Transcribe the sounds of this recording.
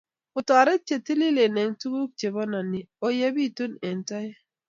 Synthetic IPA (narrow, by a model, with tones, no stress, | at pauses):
ʊ˨ta˨ɾe˦t͡ʃe˨ti˦li˦le˨ne˨ŋtu˦ɡu˦k̚t͡ʃe˨bɔ˦na˨ni˨o˨je˦bi˦˨tu˦ne˨nta˦j